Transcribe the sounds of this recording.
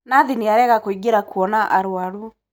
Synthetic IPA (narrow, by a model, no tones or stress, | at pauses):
naðineaɾɛɣakoiɡeɾakwɔnaʔaɾwaɾu